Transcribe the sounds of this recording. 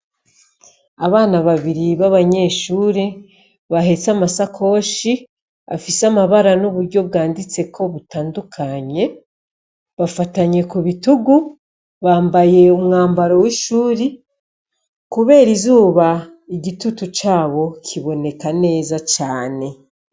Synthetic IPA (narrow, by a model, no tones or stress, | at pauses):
aβaːnaβaβiɾiβaβaɲe̞ʃuːɾe | βaɦe̞t͡samasakʰo̞ːʃi | a̰fisamaβaɾanuβuɾɟo̞b̚ɡaːndit͡se̞kʰo̞βutaːndukʰaɲe̞ | βafataɲe̞kuβituɡu | βaːmbaje̞umŋaːmbaɾo̞wiʃuːɾi | kuβe̞ːɾizuːβa | iɟitutut͡ʃaːβo̞kʰiβo̞ne̞kane̞ːzat͡ʃaːne̞